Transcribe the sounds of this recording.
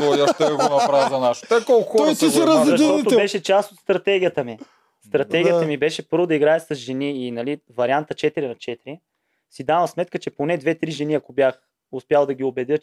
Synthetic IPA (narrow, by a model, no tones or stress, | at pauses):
t̪ɔjɐft̪ɛɛɡonɐpɾazɐnaʃo̥t̪ɛkɔlˠkxɾɔj̪iɛɾɐzzɐʃt̪ɔt̪obɛʃɛt͡ʃast̪ot̪st̪ɾɐt̪ɛɡʲijət̪əmi | st̪ɾɐt̪ɛɡijət̪ɐmibɛʃɛpɤɾvʊd̪ɐiɡɾaɛsɐzʒɛniːnɐlivɐɾʲiant̪ət͡ʃɛt̪iɾinɐt͡ʃɛt̪iɾi | sid̪avɐsmɛt̪̚kət͡ʃɛponɛd̪vɛt̪ɾiʒɛniɐkobjax | ʊspʲjalˠd̪ɐɡ̟ʲiobɛd̪ʲɤ